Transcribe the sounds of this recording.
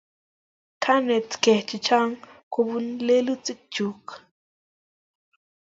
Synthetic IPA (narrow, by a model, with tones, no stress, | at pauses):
kʰa˦ne˨t͡ske˨ht͡ʃi˨t͡ʃa˦ŋkubunle˦lu˦t͡si˦k̚t͡ʃuk